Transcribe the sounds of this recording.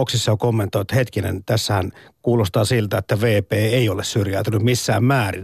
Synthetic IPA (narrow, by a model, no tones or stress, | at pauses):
oksisːɑjokomːent̪oˑit̪het̪kinḛnt̪æsːæhænkuːlost̪ɑːsilt̪æet̪ːæʋeːpeːeiolessyrjælt̪ænymmisːæːmmæːrḭn